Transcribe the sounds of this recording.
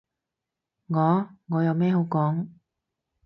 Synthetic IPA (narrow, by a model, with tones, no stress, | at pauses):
ŋɔː˨˧ŋɔː˨˧jɐ˨˧wmɛː˥ho˨˥wkɔː˨˥ŋ